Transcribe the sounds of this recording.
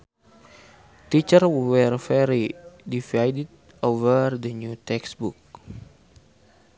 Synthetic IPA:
t̪it͡ʃərwɛrvɛɾidivajdɛd̪̚ | ovərdənjut̪ɛksbuk̚

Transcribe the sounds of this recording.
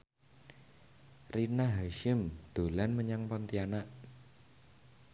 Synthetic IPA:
rinaɦaʃɪmd̪̥o̤lanməɲaŋpɔnt̪ianaʔ

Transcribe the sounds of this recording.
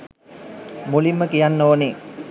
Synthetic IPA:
mulimːəkijanːoːne

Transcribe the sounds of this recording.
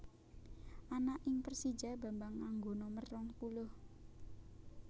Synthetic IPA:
ʔanaʔɪŋpərsid͡ʒa̤ba̤mbaŋːaŋɡonɔmərːɔŋpulʊh

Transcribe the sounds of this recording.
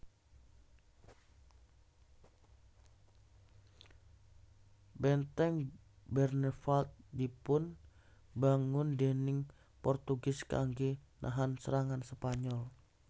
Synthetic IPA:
bɛnt̪ɛŋ | bɛrnɛfalt̪̚dipʊn | baŋʊndɛnɪŋ | pɔrt̪uɡɪska̰ŋɡinʔa̰ɦansəɾaŋansəpaɲɔl

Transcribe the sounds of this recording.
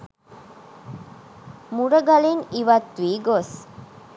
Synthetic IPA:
muɾəɡaleŋiʋɐt̪ʋiːɡos

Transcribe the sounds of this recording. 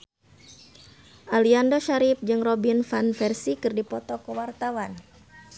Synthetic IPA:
ʔaliandoʃaɾip̚d͡ʒɨŋrɔbinfanfɛrsikɨrdipɔt̪ɔkəwart̪awan

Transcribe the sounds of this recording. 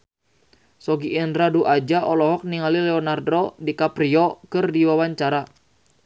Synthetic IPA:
sɔɡiʔinraduʔad͡ʒaʔɔlɔɦɔk̚niŋalilɛɔnardɔdikapɾiɔkɨrdiwawaɲt͡ʃaɾa

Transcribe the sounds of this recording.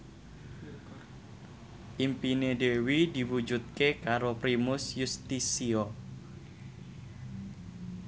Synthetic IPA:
ʔimpinedewid̪̥i̤wud͡ʒut̪̚kekaɾopɾimʊsjust̪isio

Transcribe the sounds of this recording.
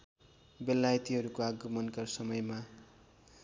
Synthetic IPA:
belːajt̪iɦʌɾukoaɡʌmʌnkʌrsʌmʌjma

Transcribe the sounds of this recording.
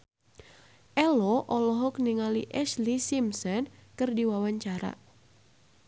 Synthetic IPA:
ʔɛlɔʔɔlɔɦɔk̚niŋalḭʔɛslisimsɔnkɨrdiwawaɲt͡ʃaɾa̰

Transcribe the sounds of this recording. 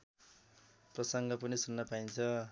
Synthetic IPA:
prʌsʌŋɡʌpʌnisunːʌpaint͡sʰʌ

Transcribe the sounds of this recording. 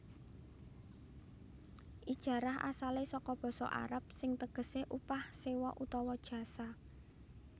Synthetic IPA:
ʔid̥ʒ̥ä̤ɾaɦa̰salesɔkɔb̥ɔ̤sɔ̰ʔa̰ɾap̚sɪŋt̪əɡ̥ə̤seʔupahsewɔʔut̪ɔwɔd̥ʒ̥ä̤sa

